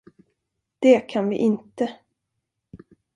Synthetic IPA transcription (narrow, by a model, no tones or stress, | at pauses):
d̪̥ɛkʰanvɪ̰ʔɪnt̪ə